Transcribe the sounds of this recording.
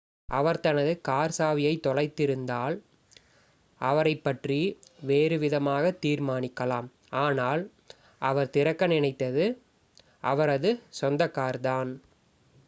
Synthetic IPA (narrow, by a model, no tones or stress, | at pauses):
ʔɐʋɐɾt̪ɐnɐðɯkaːɾsaːʋɪjɐɪt̪ːɔlɐɪt̪ːɪɾɯnd̪aːl | ʔɐʋɐɾɐɪpːɐʈriʋeːɾɯʋɪðɐmaːɣɐt̪ːiːɾmaːnɪkːɐlaːm | aːnaːl | ʔɐʋɐɾt̪ɪɾɐkːɐnɪnɐɪt̪ːɐðɯ | ʔɐʋɐɾɐðɯsɔnd̪ɐkːaːɾðaːn